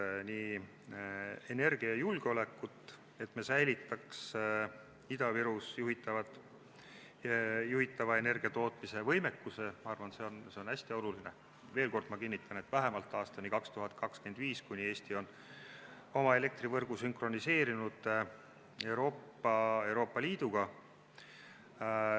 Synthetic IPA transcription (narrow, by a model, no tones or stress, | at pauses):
niː | ene̞rɡ̥iɑjulɡ̥eo̞le̞kːˑut̪ːˑ | e̞t̪mesæjlit̪ːˑɑks | id̪̥ɑviɾusjuɦit̪ːˑɑvɑt̪ | juɦit̪ːˑɑvɑe̞ne̞rɡ̥iɑt̪o̞ːt̪ˑmise̞vɤjme̞kːuse̞mɑɑrvɑnse̞o̞nse̞o̞næsʲt̪io̞luline | ve̞ːlko̞rd̪mɑkinːit̪ʰːˑɑne̞t̪ːvæɦemɑlt̪ːˑɑːst̪ɑnikɑkst̪uɦɑt̪̚kɑkske̞nd̪viːskunʲie̞ːsʲt̪io̞n | o̞mɑe̞le̞k̚t̪rivɤrɡ̥usynkxro̞nise̞ːɾinud̪̥ | e̞wɾo̞ːpː | ɑe̞wɾo̞ːpːˑɑliːd̪̥uɡ̥ɑ